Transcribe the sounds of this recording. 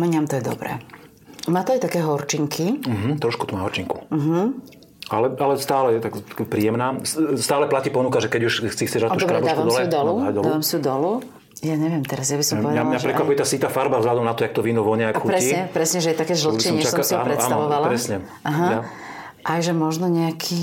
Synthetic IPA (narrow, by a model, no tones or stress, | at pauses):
mɛɲamt̪ɔjɛd̪ɔ̰bɾɛ̰ː | maːt̪ɔajt̪akɛːɦɔɾt͡ʃiŋkʰiɦm̩t̪ɾɔʃkut̪ɔmaːɦɔɾt͡ʃiŋku̥m̩ɦ̩ | ʔalɛalɛst̪aːlɛt̪akpɾiːjɛmnaːsst̪aːlɛplaciːpɔnukaʒɛkɛɟuʃxt͡sixt͡sɛʒɾat̪uɔbkɾaɛb̪ːʋad̪ɔslɛiud̪ɔluad̪ɔd̪aːʋamsiud̪ɔlu | jaɲɛʋɪɛmt̪ɛɾazjabisɔmɔʋɛdalɲaʒɛpɾɛkkʋapujɛt̪aːsit̪aːfaɾbavzɦlad̪ɔmnat̪ɔjak̚t̪ɔʋinuʋɔɲɛakxupɾɛiɲɛpɾɛsɲɛʒɛjɛt̪akɛːʒlɔt͡ʃːɛsɔ̃siɔpɾɛtːant̪aʋɔʋalaɾɛsɲɛ | aɦaa | ʔajʒɛmɔʒnɔɲɛakʰiː